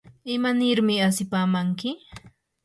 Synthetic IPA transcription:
ɪmanɪɾmɪasɪpaːmaŋkɪ

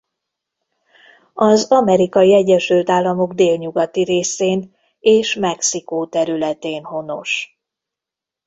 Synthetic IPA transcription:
ɒzɒmɛɾikɒjiɛɟːɛʃylt̪aːlːɒmo̞ɡd̪eːlɲuɡɒt̪iɾeːseːn | eːʃmɛksikoːt̪ɛɾylɛt̪eːnho̞no̞̰ʃ

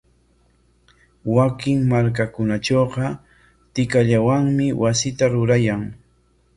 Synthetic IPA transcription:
wakɪŋmaɾk̬akʊnat͡ʃoqɑ | t̪ɪkaʎawaŋmɪwasɪt̪aɾʊɾajaŋ

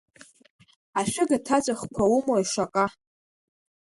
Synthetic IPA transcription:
aʃʷᶣɪɡatʰat͡sʷʼaχkʷʰawumoiʂakʼa

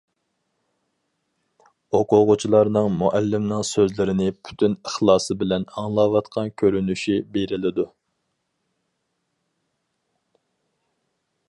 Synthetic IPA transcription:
oqʊʁʊt͡ʃʰilˠɑɾnɨŋmuʔɛlːɪmnɨŋsøzlɪɾɪnɪpʰy̥t̪ʰynəχlˠɑːsɨbɪlɛnɑŋlˠɑwɑt̪qʰɑnkʲʰøɾynyʃibeɾɪlɪd̪u

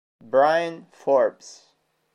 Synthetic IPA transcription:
bɹajɨ̃nfɔɹbs

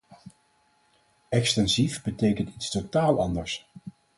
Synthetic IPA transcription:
ɛkstɛnzifbətejkəntitstotaːlˠɑndəɹs

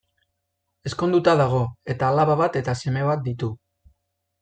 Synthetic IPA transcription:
e̞sko̞nd̪ut̪aðaɣ̞o̞e̞t̪aːlaβaβat̪e̞t̪ase̞me̞βat̪̚d̪it̪u

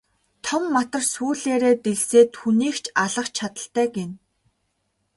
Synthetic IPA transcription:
t̪ʰɔmːat̪ə̆rsuːɮeːɾeːt̪eɮseːt̪xuniːkt͡ɕʰaɮə̆χt͡ɕʰːat̪ə̆ɬt̪æːɡen

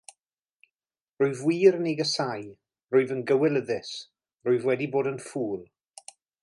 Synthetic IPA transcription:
rʊɨvwiːɾəneɡəsaj | rʊɨvənɡəwɛlˠəðɪs | rʊɨvwɛdiboːdənfuːlˠ

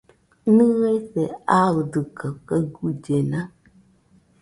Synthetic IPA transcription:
nɨɣesɛaɣdɨkəkəɡud͡ʒena

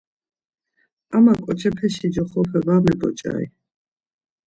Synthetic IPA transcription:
amakʼɔt͡ʃʰɛpʰɛʃid͡ʒɔχɔpʰɛvamɛbʼɔt͡ʃʼa̰ḭ

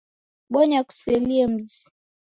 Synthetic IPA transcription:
ɓɔɲaku̥sɛliɛm̩zi

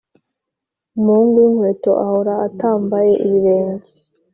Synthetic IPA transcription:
umuːŋɡinhwe̞ːto̞ʔahoɾaːtaːmbaje̞ʔiβiɾe̞ːɲɟe

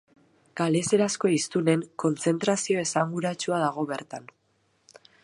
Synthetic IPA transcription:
ɡ̥ale̞se̞ɾasko̞ist̪une̞ŋko̞nt͡se̞nt̪ɾasio̞e̞saŋɡuɾat͡ʃuaðaɣ̞o̞βe̞ɾt̪an

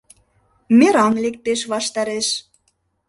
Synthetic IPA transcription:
meɾɑnlek̚t̪eʃβɑʃt̪ɑɾeʃ

